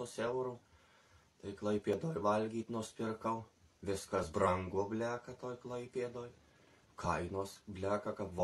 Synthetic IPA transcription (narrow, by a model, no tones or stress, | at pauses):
oːsɛʊɾuː | t̪ɐɪklˠɐɪpʲeːd̪oːjʋɐlʲɡʲiːt̪nuɔsʲpʲɪrkɐʊʋʲɪskɐsbɾɐŋɡoːbʲlʲæːkɐt̪oːjklˠɐɪpʲeːd̪oːj | kʰɐɪnoːsbʲlʲæːkɐkɐpʋ